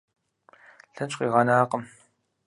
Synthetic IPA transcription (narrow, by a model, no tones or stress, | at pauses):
ɬɐt͡ʃʷʼqʼiːʁɑnaːqəm